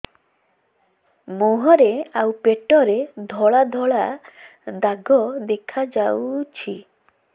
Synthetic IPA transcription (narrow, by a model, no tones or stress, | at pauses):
mɔɦɔɾeawpeʈɔɾed̪ʱɔɭad̪ʱɔɭa | d̪aɡɔd̪ekʰad͡ʒawt͡ʃʰi